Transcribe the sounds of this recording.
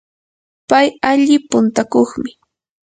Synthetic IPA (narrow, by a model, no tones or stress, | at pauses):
pajaʎɪpʊnt̪akoχmɪ